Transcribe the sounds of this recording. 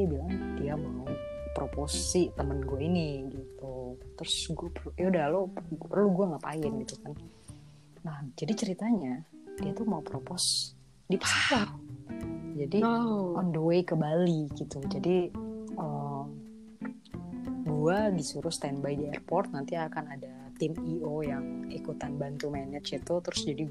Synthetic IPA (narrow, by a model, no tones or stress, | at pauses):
t̪abilaŋdiamaupɾoposit̪əmənɡuainiɡit̪ut̪ɾʊsɡuapəjaudalopərluɡuaŋapaɪnɡit̪ukan | nahd͡ʒadit͡ʃəɾit̪aɲad̥iat̪umaupɾopɔs | dipasaar | d͡ʒadiɔnduwejkəbaliɡit̪ud͡ʒadiəm | ɡuadisuɾʊst̪ɛnbajdiɛrpɔrt̪̚nant̪iakanada | t̪ɪmiojaŋikut̪anbant̪umaɛnat̪t͡ʃit̪ut̪əɾʊsd͡ʒadiɡ